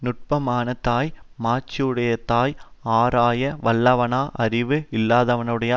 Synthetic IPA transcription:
nʊʈ̚pɐmaːnɐt̪aːjmaːt͡ʃːɪjɯɽɐjɐt̪ːaːjaːɾaːjɐʋɐlːɐʋɐnaːʔɐɾɪʋɯɪlːaːðɐʋɐnɯɽɐjɐ

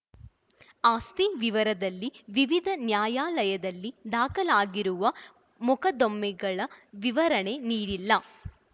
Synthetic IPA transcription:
aːst̪iʋiʋɐɾɐd̪ɐlːiʋiʋid̪ʱɐnjaːjaːlɐjɐd̪ɐlːid̪aːkɐlaːɡiɾuʋɐ | mukɐd̪omːɛɡɐɭɐʋiʋɐɾɐɳe̞niːɾilːɐ

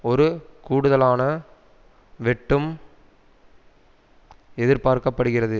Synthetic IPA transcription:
ɔɾɯkuːɽɯðɐlaːnɐ | ʋɛʈːɯm | ɛðɪɾpaːɾkɐpːɐɽɯɣɪrɐðɯ

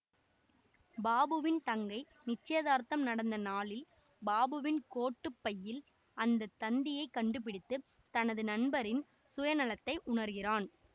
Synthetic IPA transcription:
baːbɯʋɪnt̪ɐŋɡɐɪ | nɪt͡ʃːɐjɐðaːɾt̪ɐmnɐɽɐnd̪ɐnaːlɪl | baːbɯʋɪnkoːʈːɯpːɐjːɪl | ɐnd̪ɐt̪ːɐnd̪ɪjɐɪkːɐɳɖɯp̬ɪɽɪt̪ːɯt̪ɐnɐðɯnɐɳbɐɾɪn | sʊjɐnɐlɐt̪ːɐɪʔʊɳɐɾɣɪraːn

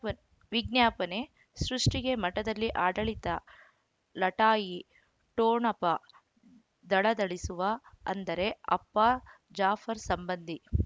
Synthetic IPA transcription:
ʋiɡnjaːpɐne̞ | sɾuʂʈiɡe̞mɐʈɐd̪ɐlːiʔaːɖɐɭit̪ɐ | lɐʈaːji | ʈoːɳɐpɐ | d̪ɐɭɐd̪ɐɭisuʋɐɐ̰nd̪ɐɾe̞ɐ̰pːɐ | d͡ʒaːfʰɐɾsɐmbɐnd̪ʱi

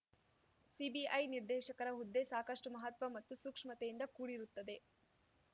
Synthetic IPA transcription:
sibiʔɐjniɾd̪ɛːʃɐkɐɾɐɦud̪ːesaːkɐʂʈumɐɦɐt̪ʋɐmɐt̪ːusukʂmɐt̪ejind̪ɐkuːɽiɾut̪ːɐd̪e̞

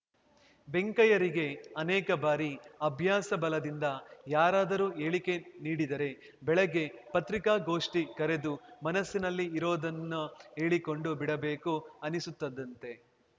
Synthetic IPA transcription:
be̞ŋkɐjɐɾiɡe̞ɐnɛːkɐbaːɾiɐbʱjaːsɐbɐlɐd̪ind̪ɐjaːɾaːd̪ɐɾuːe̞ːɭike̞niːɽid̪ɐɾe̞ | bɛɭɐɡːe̞pɐt̪ɾikaːɡo̞ːʂʈikɐɾe̞d̪umɐnɐsːinɐlːiːɾoːd̪ɐnːue̞ːɭiko̞ɳɖubiɽɐbe̞ːkuɐnisut̪ːɐd̪ːɐnt̪e̞

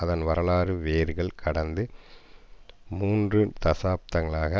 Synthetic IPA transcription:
ɐðɐnʋɐɾɐɭaːɾɯʋeːɾɣɐɭkʰɐɽɐnd̪ɯ | muːndrɯt̪ɐsaːp̚t̪ɐŋɐɭaːɣɐ

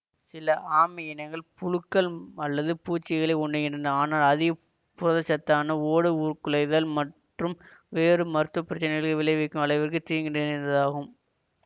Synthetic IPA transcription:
sɪlɐʔaːmɪjɪnɐɪŋɡɐɭpʊɻɯkːɐlɐlːɐðɯpuːt͡ʃːɪɣɐɭɐɪɔɳɖɯŋɡɪndrɐnɐaːnaːlɐðɪɣɐ | pʊɾɐðɐt͡ʃɐt̪ːaːnɐoːɽɯuːɾkɯlɐɪðɐlmɐʈ | rɯmʋeːrɯmɐɾɯt̪ːɐpːɪɾɐt͡ʃːɐnɪɣɐɭkɯʋɪlɐɪʋɛkːɯmɐɭɐɪʋɐrkɯt̪iːŋɡɪndɐnnd̪ɐðaːɣɯm

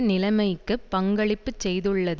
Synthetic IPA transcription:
nɪlɐmɐɪkːɯpːɐŋɡɐɭɪpːɯt͡ʃːɛjðɯɭːɐð

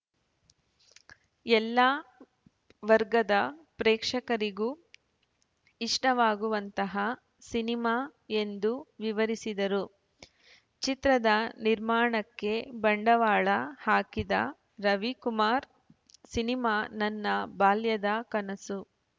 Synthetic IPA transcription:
ɛlːaː | ʋɐɾɡɐd̪ɐpɾɛːkʂɐkɐɾiɡuː | iʂʈɐʋaːɡuʋɐnt̪ɐɦɐ | sinimaːe̞nd̪uʋiʋɐɾisid̪ɐɾu | t͡ʃit̪ɾɐd̪ɐniɾmaːɳɐkːe̞bɐɳɖɐʋaːɭɐhaːkid̪ɐ̰ | ɾɐʋikumaːɾ | sinimaːnɐnːɐbaːljɐd̪ɐkɐnɐsu

